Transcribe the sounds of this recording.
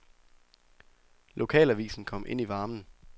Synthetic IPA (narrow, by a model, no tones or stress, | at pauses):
lʔo̝kʰɛ̰ːlæʋḭːsn̩kʰɒ̽m̰ʔe̝n̰iʋɑ̈ːmn̩